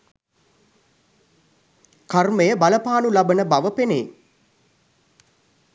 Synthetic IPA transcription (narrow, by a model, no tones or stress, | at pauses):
karməjəbaləpaːnulabənəbaʋəpeneː